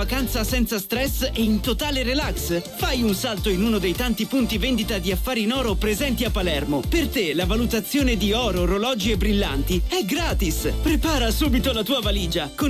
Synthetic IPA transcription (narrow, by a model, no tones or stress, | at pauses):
akant̪sasɛnt̪sast̪ɾɛseint̪ot̪aːleɾelaksfajunsalt̪oinuːnod̪ejt̪ant̪ipunt̪ivend̪it̪ad̪iafːaːɾiːnɔːɾopɾezɛnt̪iapːalɛrmopert̪elavalut̪at̪sːjoːned̪iɔːɾoɾolɔːd͡ʒiebːɾilːa̰nt̪iɛɡɾaːt̪ispɾepaːɾasuːbit̪olat̪uːavaliːd͡ʒako